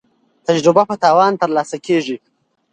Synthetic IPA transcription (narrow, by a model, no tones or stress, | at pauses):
t̪ad͡ʒɾɪbapət̪ɑːwɑːnt̪əɾlɑsakeʐi